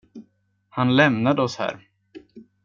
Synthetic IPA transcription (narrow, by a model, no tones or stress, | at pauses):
hanlɛmnad̪əɔshæ̰ːɾ